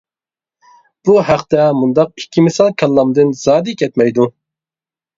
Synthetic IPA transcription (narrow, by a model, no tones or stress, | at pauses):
b̥uhæqt̪ɛmund̪ɑq̚ikʲʰːimɪsɑlˠkʰʲɛlˠːɑmd̪ɨnz̥ɑːd̪ɪkʲʰɛt̪mɛjd̪u